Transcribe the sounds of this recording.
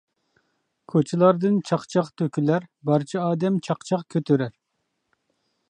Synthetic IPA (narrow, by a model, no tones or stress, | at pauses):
kʰot͡ʃʰilˠɑɾd̪ɨnt͡ʃʰɑqt͡ʃʰɑqt̪ʰøkʲylæɾbɑɾt͡ʃʰiɑːd̪ɛmt͡ʃʰɑqt͡ʃʰɑqkʲʰøt̪ʰyɾæɾ